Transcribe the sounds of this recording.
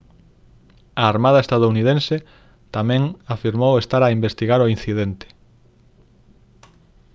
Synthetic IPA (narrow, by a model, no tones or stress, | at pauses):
aːɾmað̞ɐest̪að̞ouniðẽnsɪ | t̪amɛ̃ŋafiɾmowest̪aɾaimbest̪iɣaɾoin̟θiðent̪ɪ̥